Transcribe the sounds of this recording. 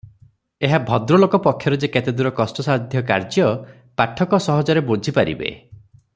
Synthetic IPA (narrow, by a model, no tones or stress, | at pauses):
eɦabʱɔd̪ɾɔlokɔpɔkʰːjɔɾed͡ʒeket̪ed̪uɾɔkɔsʈɔsaɦd̪ʱjɔka̰ɾd͡ʒjɔ | paʈʰɔkɔsɔɦɔd͡ʒɔɾebod͡ʒʱipaɾḭbḛ